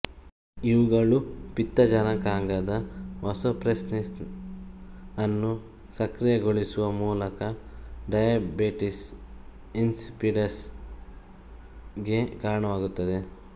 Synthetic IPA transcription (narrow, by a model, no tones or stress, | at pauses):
iʋuɡɐɭupit̪ːɐd͡ʒɐnɐkaːŋɡɐd̪ɐʋɐsɐpɾesnis | ɐnːu | sɐkɾijɐɡoɭisuʋɐmuːlɐkɐɖɐjɐbeʈis | insipiɖɐs | ɡe̞kaːɾɐɳɐʋaːɡut̪ːɐd̪e̞